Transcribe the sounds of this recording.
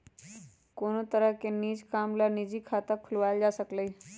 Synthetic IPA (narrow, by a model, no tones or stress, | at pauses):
konot̪əɾəkeniːd͡ʒkamlanid͡ʑiːkʰat̪əkʰulʋald͡ʒasəkləj